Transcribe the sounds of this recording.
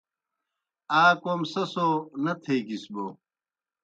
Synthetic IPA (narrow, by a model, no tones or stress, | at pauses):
aːkoːmsɐsonɐt̪ʰeːkisboː